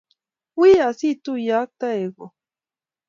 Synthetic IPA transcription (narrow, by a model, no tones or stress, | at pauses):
wijasit̪ujak̚t̪aeɡo